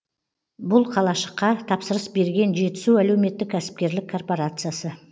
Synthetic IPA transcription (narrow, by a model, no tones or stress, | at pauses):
bʊlˠqʰɑlˠɑʃə̥qːɑt̪ʰɑpsəɾəsbe̞ɾɡʲe̞nʒe̞t̪ɪ̥suælewɪme̞t̪ːɪkʲʰːæsɪ̥p̚kʲe̞ɾlɪkʰːo̞rpo̞ɾat̪sɨjasə